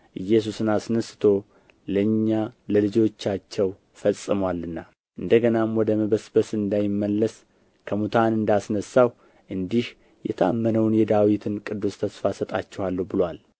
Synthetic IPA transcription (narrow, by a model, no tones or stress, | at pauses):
ʔɨjːɛs̬usɨnasnəsɨ̥t̪ʰo̞ | ləɨɲːaləlɨd͡ʒo̞t͡ʃːat͡ʃːɛw | fəsʼːɨmwalːɨnːa | ʔɨnd̪əɡənamwɔd̪əməβəsbəsɨnd̪ajɪmːəlːəs | kʰəmut̪ʰanɨnd̪asnəsːaw | ʔɨnd̪ih | jɛ̰t̪ʰəa̰mːənəwnjɛd̪awit̪ʰɨnkʼɨd̪ːust̪ʰəsfasət̪ʼat͡ʃːɛhalːəhbɨlwal